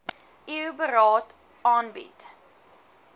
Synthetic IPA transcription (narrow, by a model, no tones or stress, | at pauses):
ʔiəbəɾɑːt | ɑːnbḭt